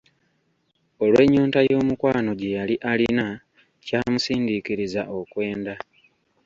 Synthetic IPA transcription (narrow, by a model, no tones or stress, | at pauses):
o̞lwe̞ːɲːuːntajo̞ːmukwaːno̞ɟe̞jaliʔalina | caːmusiːndikiɾizaʔo̞kwe̞ːnda